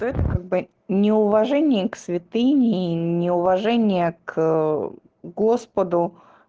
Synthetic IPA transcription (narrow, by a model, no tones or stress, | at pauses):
t̪oɛt̪əkaɡ̚bɨ | nʲɪʊvɐʐɛnʲɪjəksvʲɪt̪ɨnʲɪnʲɪʊvɐʐɛnʲɪjək | ɡo̞spəd̪ʊ